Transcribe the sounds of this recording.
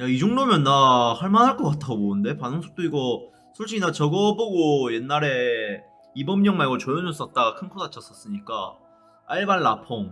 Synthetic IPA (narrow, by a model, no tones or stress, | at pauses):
jaid͡ʑoŋdomjʌnːahaɭmanɦaɭk͈ʌk͈atʰaɡoboɯnde̞panɯŋsʰo̥t͈oiɡʌ | sʰoɭɕ͈inat͡ɕʌɡʌboɡoje̞nːaɾe̞ | ibʌmɲʌŋmaɭɡot͡ɕojonos͈ʌt̚t͈aɡakʰɯnkʰonat͡ɕʰʌs͈ʌs͈ɯɲik͈a̰ | aɭbanːapʰoŋ